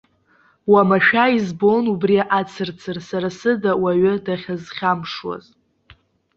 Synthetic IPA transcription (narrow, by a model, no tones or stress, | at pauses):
wamaʃᶣaizbonubriaʔat͡sʰɨrt͡sʰɨrsaɾasɨdawaɥɪdaχʲazχʲamʂwa̰z